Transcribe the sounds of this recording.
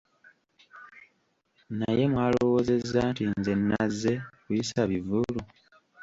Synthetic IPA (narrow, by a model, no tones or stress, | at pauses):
naje̞mwaːloo̞wo̞ːze̞zːantinze̞nːazːe̞kujisaβivulu